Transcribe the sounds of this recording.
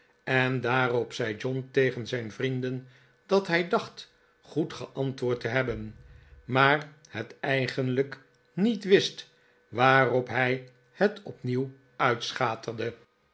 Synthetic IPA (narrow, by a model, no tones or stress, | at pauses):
ɛndaːrɔpsɛjd͡ʒɔntejχənzɛjnvrindən | d̥ɑtɦɛjdɑχt | χutχəʔɑntʋʊːɹtəɦɛbənmaːrhətɛjχənlək | nitʋɪst | ʋaːrɔpɦɛj | hətɔpniw | œɥtsχaːtərdə